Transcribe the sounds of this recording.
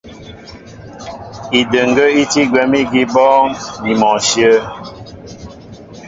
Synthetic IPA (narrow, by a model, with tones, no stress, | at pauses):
i˨də˨ŋ˨ɡə˦i˦ti˦ɡwɛ˨mi˦ɡi˦bɔː˦ni˨mɔ˨ʃjə˦